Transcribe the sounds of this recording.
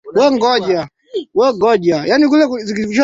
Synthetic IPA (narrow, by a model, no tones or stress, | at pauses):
wɛŋɡɔʄa | wɛŋɡɔʄajaːnik̬ulɛkuzikikut͡ʃɔ